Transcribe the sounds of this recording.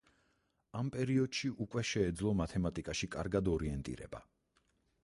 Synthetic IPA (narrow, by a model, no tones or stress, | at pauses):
ampʼɛɾiɔd̪̥ʃiʔukʼwɛʃɛːd̪zlˠɔmat̪ʰɛmat̪ʼikʼaʃikʼa̰ɾɡad̪ɔɾiɛnt̪ʼḭɾɛ̰ba̰